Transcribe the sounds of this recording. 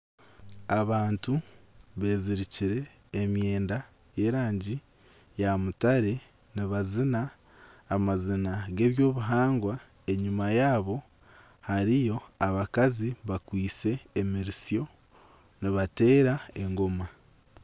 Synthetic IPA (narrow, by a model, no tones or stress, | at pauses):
aβaːntuβe̞ːziɾiciɾe̞ːmje̞ːndaje̞ːɾaːɲɟi | jamutaɾe̞ | niβazinaː | mazinaɡe̞ːβjo̞ːβuɦaːŋɡwae̞ɲumajaːβo̞ | haɾijo̞aβakaziβakwiːt͡se̞ːmiɾisjo̞ | niβate̞ːɾae̞ŋɡo̞ma